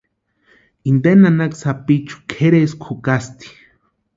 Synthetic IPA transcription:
ind̪enanaksapit͡ʃu̥kʰeɾeskʰukast̪i̥

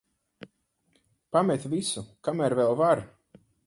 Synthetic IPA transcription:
pamɛt̪visukamæɾvɛlˠvaɾ

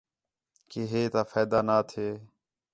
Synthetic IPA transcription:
keːɦeːt̪aːfeːd̪aːnaːt̪ʰeː

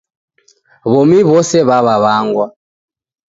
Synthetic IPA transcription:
βɔmiβɔsɛβaβaβaŋɡwa

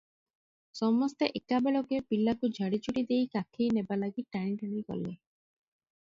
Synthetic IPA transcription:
sɔmɔst̪eʔekabeɭɔkepilakud͡ʒʱaɽit͡ʃuɽid̪ejkakʰejnebalaɡiʈajnʈaɽikɔ̰le

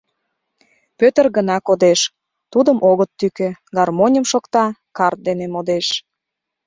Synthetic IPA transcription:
pøt̪ərɣənɑkod̪eʃ | t̪ud̪əmʔoɣət̪ːykeɡɑrmonʲəmʃokt̪ɑkɑrt̪̚d̪enemod̪eʃ

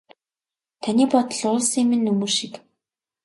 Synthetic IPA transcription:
t̪ʰaniːpɔt̪ə̆ɮʊːɮsimɘ̆nːɵmɵːʃik

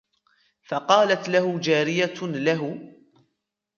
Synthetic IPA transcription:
fɑqɑːlat̪lahʊd͡ʒaːɾɪjalaɦʊ

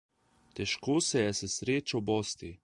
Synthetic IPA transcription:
t̪ɛʃkoːsɛjɛsɛsɾeːt͡ʃawbɔːst̪i

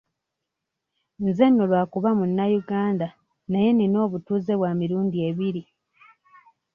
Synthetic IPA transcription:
nze̞nːolwaːkuβamunːajuɡaːnda | naje̞nino̞ːβutuːze̞βwamiɾuːndieβiɾi

